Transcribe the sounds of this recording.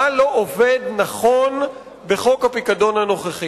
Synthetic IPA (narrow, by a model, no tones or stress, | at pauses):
alo̞ʔoved̪naχo̞n | be̞χo̞khapikad̪o̞nhano̞χaχi